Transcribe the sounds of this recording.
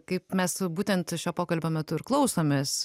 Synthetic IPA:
kɐɪpmʲɛsbuːt̪ʲɛnt̪ʃʲoːpoːkɐlʲbʲoːmʲɛt̪ʊɪɾklˠɐʊsoːmʲeːs

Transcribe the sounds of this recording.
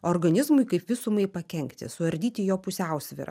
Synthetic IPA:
oːɾɡɐnʲɪzmʊɪkɐɪpʋʲɪsʊmɐɪpɐkʲɛŋkt̪ʲɪ̰sʊʋɐɾʲd̪ʲiːt̪ʲɪjoːpʊsʲɛˑʊsʲʋʲɪ̰ɾɐ̰

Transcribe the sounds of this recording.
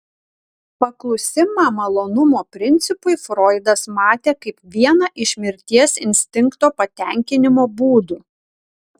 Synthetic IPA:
pɐklˠʊsʲɪmɑːmɐlˠoːnʊmoːpʲɾʲɪnʲt̪sʲɪpʊɪfɾɔɪd̪ɐsmɑːt̪ʲeːkɐɪpʋʲiɛnɐʔɪʃʲmʲɪɾʲt̪ʲiɛsɪnʲsʲt̪ʲɪŋˑkt̪oːpɐt̪ʲɛˑŋʲkʲɪnʲɪmoːbuːd̪uː

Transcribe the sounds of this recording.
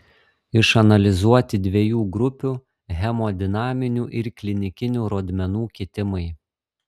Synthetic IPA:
ɪʃɐnɐlʲɪzuɔt̪ʲɪd̪ʲʋʲeɛjuːɡɾʊpʲuː | ɣʲɛmoːd̪ʲɪnɑːmʲɪnʲuːʔɪɾklʲɪnʲɪkʲɪnʲuːɾoːd̪ʲmʲɛnuːkʲiːt̪ʲɪmɐɪ

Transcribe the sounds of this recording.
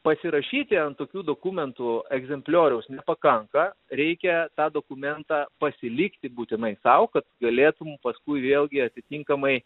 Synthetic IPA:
pɐsʲɪɾɐʃʲiːt̪ʲɪɐnt̪oːkʲuːd̪oːkuːmʲɛnt̪ʊɛɡzʲɛmʲpʲlʲoːɾʲɛʊsnʲɛpɐkɐŋkɐɾʲɛɪkʲɛt̪ɑːd̪oːkʊmʲɛnt̪ɑːpɐsʲɪlʲɪkt̪ʲɪbuːt̪ʲɪnɐɪsɐʊkɐt̪ɡɐlʲeːt̪ʊmmpɐskʊɪʋʲeːlʲˠɡʲɪɐt̪ʲɪt̪ʲiŋkɐmɐɪ

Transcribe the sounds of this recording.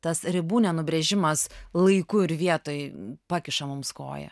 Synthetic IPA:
t̪ɐsɾʲɪbuːnʲɛnʊbʲɾʲɛʒʲɪmɐslˠɐɪkʊɪɾʋʲiɛt̪oːjpɑːkʲɪʃɐmʊmsko̰ːjɛ̰

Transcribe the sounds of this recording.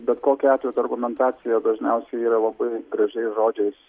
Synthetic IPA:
bʲɛt̪koːkʲɛɑːt̪ʲejɛːt̪ɐrɡʊmʲɛnt̪ɑːt̪sʲɪjɛd̪ɐʒʲnʲɛʊsʲɛɪiːɾɐlˠɐbɐɪɡɾɐʒʲɛɪʒoːd͡ʒʲɛɪs

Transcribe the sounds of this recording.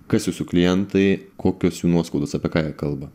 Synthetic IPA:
kɐsjuːsʊklʲɪjɛnt̪ɐɪkʰoːkʲoːsjuːnuɔskɐʊd̪oːsɑpʲiɛkɑːjɛkɐlˠbɐ

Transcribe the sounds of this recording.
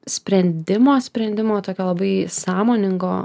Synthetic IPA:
sʲpʲɾʲɛnʲd̪ʲɪmoːsʲpʲɾʲɛnd̪ʲɪmoːt̪oːkʲoːlˠɐbɐɪsɑːmoːnʲɪŋɡoː

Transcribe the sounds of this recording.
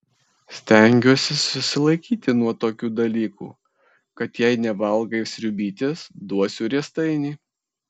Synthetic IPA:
sʲt̪ʲɛŋʲɡʲuːsʲɪsʊsʲɪlˠɐɪkʲiːt̪ʲɪnuɔt̪oːkʲuːd̪ɐlʲiːkṵː | kɐt̪jɛɪnʲɛʋɐlˠɡɐɪsʲɾʲʊbʲiːt̪ʲɪsd̪uɔsʲuːɾʲiɛst̪ɐɪnʲiː

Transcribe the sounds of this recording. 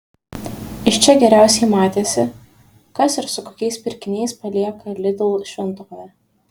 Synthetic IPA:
ɪʃt͡ʃʲɛɡʲɛɾʲæˑʊsʲɛɪmɑːt̪ʲeːsʲɪ | kɐsɪɾsʊkoːkʲɛɪspʲɪɾʲkʲɪnʲɛɪspɐlʲiɛkɐlʲɪd̪ʲɪlˠʃʲʋʲɪnt̪okoːjɛ

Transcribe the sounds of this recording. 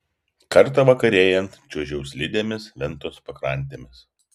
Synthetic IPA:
kɐɾt̪ɐʋɐkɐɾʲeːjɛnt̪t͡ʃʲuɔʒʲɛʊsʲlʲɪd̪ʲeːmʲɪsʋʲɛnˑt̪oːspɐkɾɐˑnʲˑt̪ʲeːmʲɪs

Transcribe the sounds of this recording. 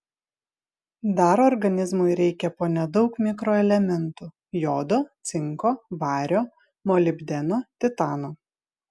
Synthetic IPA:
d̪ɐɾɔɾɡɐnʲɪzmʊɪɾʲɛɪkʲɛpoːnʲɛd̪ɒʊkmʲɪkɾoːɛlʲɛmʲɛnt̪uː | joːd̪oːt̪sʲɪŋkoːʋɑːɾʲoː | mɔlʲɪbʲd̪ʲɛnoːt̪ʲɪt̪ɑːnoː

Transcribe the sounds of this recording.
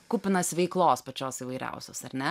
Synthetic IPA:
kuːpʲɪnɐsʲʋʲɛɪklˠoːspɐt͡ʃʲoːsiːʋɐɪɾʲɛ̰ˑʊsʲoːsɐɾʲnʲɛ

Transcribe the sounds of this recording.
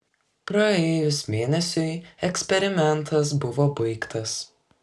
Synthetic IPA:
pɾɐeːjʊsmʲeːnʲɛsʲʊjɛksʲpʲɛɾʲɪmʲɛnt̪ʰɐs̬bʊʋoːbɐɪkt̪ɐs

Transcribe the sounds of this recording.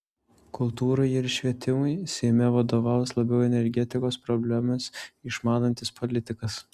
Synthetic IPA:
kʊlˠt̪uːɾɐɪɪɾʃʲʋʲiɛt̪ʲɪmʊɪsʲɛɪmʲɛʋɐd̪oːʋɑːˑʊslˠɐbʲɛʊɛnʲɛɾʲɡʲɛt̪ʲɪkoːspɾɔbʲlʲæmɐsɪʃmɑːnɐnʲt̪ʲɪspʰolʲɪt̪ʲɪkɐs

